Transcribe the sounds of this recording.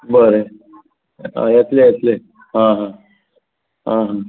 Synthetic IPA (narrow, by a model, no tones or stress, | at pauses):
bəɾe | ã̰jat̪lejɛt̪le | ɦãɦã | ɦãɦã